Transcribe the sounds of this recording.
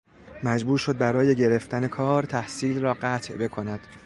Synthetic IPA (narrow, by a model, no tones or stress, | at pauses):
mæd͡ʒbuːɾʃo̞d̪̚bæɾɒːje̞ɟe̞ɾe̞ft̪æne̞kʰɒːɾt̪ʰæhsiːlrɒːɢæt̪ʰʔbe̞kʰo̞næd̪̥